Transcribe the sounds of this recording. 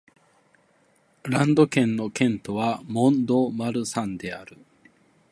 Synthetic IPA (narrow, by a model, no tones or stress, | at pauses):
ɾãnd̪o̞kẽ̞nːo̞kẽ̞nt̪o̞βamõ̞nd̪o̞maɾɯ̟sãnd̪e̞aɾɯ̟